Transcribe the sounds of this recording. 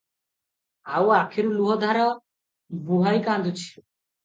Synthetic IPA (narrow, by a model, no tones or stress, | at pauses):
awakʰeɾuluɦɔd̪ʱaɾɔ | buɦajkand̪ʱut͡ʃʰi̥u